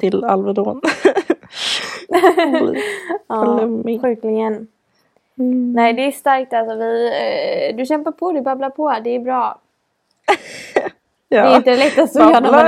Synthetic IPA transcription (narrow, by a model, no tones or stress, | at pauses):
t̪ʰɪla̰lvəd̪oːn | aːlɛmɧʉ̟ːklɪɡən | nɛɪd̪ɛːst̪aɾk̚t̪alsɔvɪ | d̪ɵɕɛmpaɾpʰɔd̪ɵbablaɾpʰɔd̪ɛːɾbɾɑː | ɛɪnt̪ədlɛt̪ːast̪ɔjœːna